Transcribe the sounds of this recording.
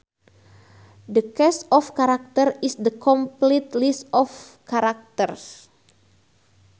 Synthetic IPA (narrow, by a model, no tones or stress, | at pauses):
dəkɛsɔfkaɾak̚t̪ərisdəkɔmplit̪lisɔfkaɾak̚t̪ərs